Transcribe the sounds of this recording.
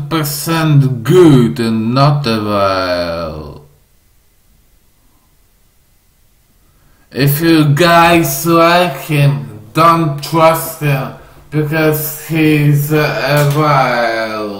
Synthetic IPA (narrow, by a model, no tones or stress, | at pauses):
pə˞sɛ̃ntɡudə̃nːətəvaɪlˠ | ʔɪfjəɡaɪsakʰɪ̃mdõntʰɹ̥ʌsthɪ̃m | b̥ɪkʰʌz̥hizəvaɪɪllˠ